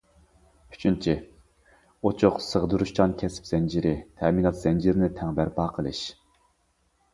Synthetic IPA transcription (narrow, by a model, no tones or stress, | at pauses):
y̥t͡ʃʰynt͡ʃʰi | ot͡ʃʰʊqsəʁd̪uɾuʃt͡ʃɑnkʲʰɛsɪ̥pz̥ɛnd͡ʒiɾɪt̪ʰɛminɑt̪z̥ɛnd͡ʒiɾɪnɪt̪ʰɛŋbæɾpʰɑːqʰəlˠɨ̰ʃ